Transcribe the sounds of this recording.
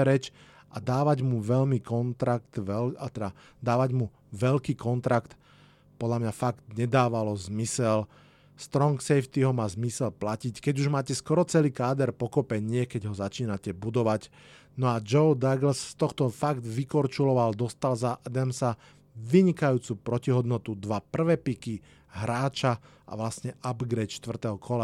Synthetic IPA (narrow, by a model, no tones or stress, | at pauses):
ɾɛt͡ʃ | ʔad̪aːʋaɟmuʋɛʎmikɔnt̪ɾak̚t̪ʋɛt̪ɛd̪a | d̪aːʋaɟmu | ʋɛlkiːkɔnt̪ɾakt̪ | pɔd̪lamɲafaɡt̪ɲɛd̪aːʋalɔzmisɛl | st̪ɾɔŋksɛjft̪iɦɔmaːzmisɛlplacickɛɟuʒmaːcɛskɔɾɔt͡sɛliːkaːd̪ɛɾpɔkɔpɛɲɪɛkɛɟɦɔzat͡ʃiːnacɛbud̪ɔʋac | nɔad͡ʒɔʊd̪aɡl̩sst̪ɔxt̪ɔfaɡd̪ʋikɔɾt͡ʃulɔʋald̪ɔst̪alzaʔad̪ɛmsa | ʋiɲikajuːt͡suːpɾɔciɦɔd̪nɔt̪ud̪ʋapr̩ʋɛːpiki | ɦɾaːt͡ʃa | ʔa̰ʋlasɲɛʔabɡɾɛt̪ʃt̪ʋr̩t̪ɛɦɔkʰɔla